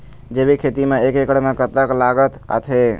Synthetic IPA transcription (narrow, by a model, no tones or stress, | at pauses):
d͡ʒebikʰet̪imeekekəɽmẽkət̪ːəklaɡət̪ə̰t̪ʰe